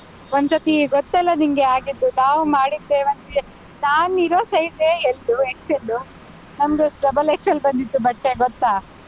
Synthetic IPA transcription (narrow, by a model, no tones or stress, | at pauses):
ond̪sɐt̪iɡɔt̪ːɛlːɐnimɡeaːɡid̪ːuɖaːʋmaːɽid̪ːeʋɐnt̪i | naːniɾoːsɐjd̪eeld̪uekselːu | nɐmɡesɖɐbɐlekselbɐnd̪it̪ːubɐʈːeɡɔt̪ːaː